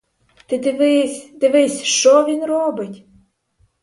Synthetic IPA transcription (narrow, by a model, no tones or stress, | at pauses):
t̪ɪd̪ɪʋɪsʲd̪ɪʋɪsʲʃt͡ʃɔʋʲinrɔbɪtʲ